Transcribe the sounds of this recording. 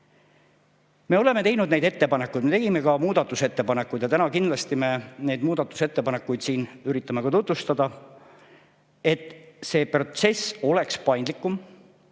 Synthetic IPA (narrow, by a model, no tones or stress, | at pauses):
me̞o̞le̞me̞t̪e̞jnud̪ne̞jd̪e̞t̪ːe̞pɑne̞kːˑujd̪meeɡime̞kɑmuːd̪̥ɑt̪ːˑuse̞t̪ːe̞pɑnekːˑujd̪jɑt̪ænɑkind̪lɑst̪ime̞ne̞jd̪muːd̪̥ɑt̪ːˑu̥se̞t̪ːe̞pɑne̞kːˑujd̪̥siːnyɾit̪ːˑɑmekɑt̪ut̪vust̪ɑd̪ɑ | e̞t̪ːˑse̞ːpro̞t̪se̞so̞le̞kspɑjnd̪likːˑum